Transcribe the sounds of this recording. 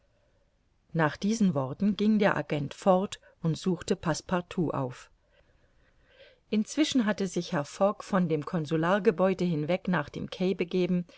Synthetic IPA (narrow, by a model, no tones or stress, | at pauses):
naːχd̥iːzn̩vɔʁtn̩ɡɪŋdeːɐʔa̰ɡɛntfɔʁt | ʊntz̥uːxtəpʰaspʰaɐtʰuːʔa̰ʊf | ʔɪnt͡sv̥ɪʃn̩ɦatəzɪçhɛɐfɔkfɔndeːmkʰɔnzulaːɐɡəbɔʏdəhɪnvɛknaːχd̥ḛːmkʰɛɪbəɡeːbm̩